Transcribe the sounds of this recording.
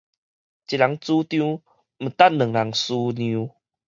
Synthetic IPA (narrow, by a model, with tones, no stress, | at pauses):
t͡ɕi˨la˨˦ŋt͡su˦t̪jũ˦ | m̩˨˩t̪a˦˥˨nnə˨˩ŋla˨˦ŋsu˦njĩ˧˦